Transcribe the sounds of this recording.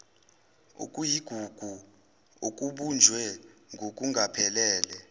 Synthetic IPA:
ṵkʼujiɡ̥ʱuɡ̥ʱu | ok̬ʼuɓund͡ʒʱwɛŋʱok̬ʼuŋʱapʰɛlɛːlɛ

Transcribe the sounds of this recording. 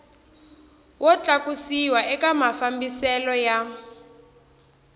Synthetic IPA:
wʔɔt͡ɬʼakusiwaʔɛkamafambisɛlɔja

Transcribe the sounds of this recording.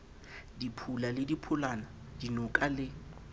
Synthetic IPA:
dipʰulalɪdipʰʊlana | dinʊkʼalɪ

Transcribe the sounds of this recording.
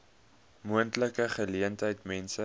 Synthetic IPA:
muəntləkəχəliəntɦəjtmɛnsə

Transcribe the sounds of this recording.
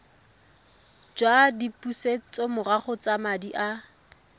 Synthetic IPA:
d͡ʒwadipuset͡sɔmʊraχʊt͡samadiʔa

